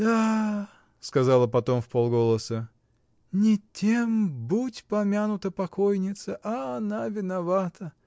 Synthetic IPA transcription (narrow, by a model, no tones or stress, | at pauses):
d̪a | skɐzɑlˠəpɐt̪o̞mfpolˠɡo̞lˠəsə | nʲɪtʲembutʲpɐmʲanʊt̪əpɐko̞jnʲɪt̪səʔɐːnavʲɪnɐvat̪ə